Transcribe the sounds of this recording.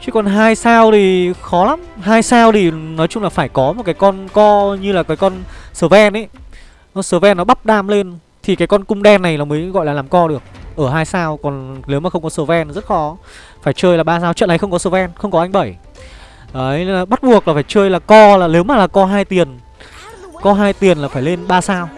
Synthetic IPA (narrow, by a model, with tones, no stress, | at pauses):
t͡ɕi˨˦kɔ˨˩nɦaː˧jsaː˧wt̪ʰi˨˩xɔ˨˦la˨˦mɦaː˧jsaː˧wt̪i˨˩nɔ˨˦jt͡ɕʊ˧ŋ͡mlaː˨˩faː˧˩jkɔ˨˦mo˨˩kaː˨˦jkɔ˧nkɔ˧ɲɨ˧laː˨˩kaː˨˦jkɔ˧nsəː˧˩vɛ˧nʔə˨˦j | səː˧˩vɛ˧nːɔ˨˦ɓa˦˥p̚ɗaː˧mle˧n | t̪ʰi˨˩kaː˨˦jkɔ˧nkʊ˧ŋ͡mɗɛ˧nːa˨˩jlaː˨˩məː˨˦jɣɔ̰˧˨jlaː˨˩laː˨˩mkɔ˧ɗɨ˨˩ək̚ʔəː˧˩ɦaː˧jsaː˧wkɔ˨˩nle˨˦wmaː˨˩xə˧ŋ͡mkɔ˨˦səː˧˦vɛ˧nzə˦˥t̚xɔ˨˦ | faː˧˩jt͡ɕəː˧jlaː˨˩ɓaː˧saː˧wt͡ɕwə̰˧˨nʔa˨˩jxə˧ŋ͡mkɔ˨˦səː˧˩vɛ˧nxə˧ŋ͡mkɔ˨˦ʔa˧jŋ̟ɓə˧˩j | aː˨˦aː˨˩ɓa˦˥t̚ɓu˨˩ək̚laː˨˩faː˧˩jt͡ɕəː˧jlaː˨˩kɔ˧laː˨˩le˨˦wmaː˨˩laː˨˩kɔ˧ɦaː˧jt̪i˨˩ən | kɔ˨˦ɦaː˧jt̪i˨˩ənlaː˨˩faː˧˩jle˧nɓaː˧saː˧w